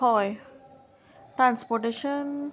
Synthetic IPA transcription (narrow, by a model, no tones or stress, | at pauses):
ɔj | ʈɾãnspɔʈeʃən